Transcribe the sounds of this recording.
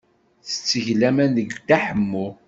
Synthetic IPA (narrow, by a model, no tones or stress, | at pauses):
θə̥t͡sːəʝlæmænðəɡd̪aħəmːu